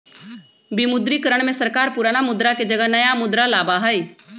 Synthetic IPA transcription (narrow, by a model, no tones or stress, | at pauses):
bimʊd̪ɾikəɾəɽ̃mẽsɐɾkaːɾpuːɾaːnamʊd̪ɾaked͡ʒɐɡənɐjamʊd̪ɾalaːbaɦəj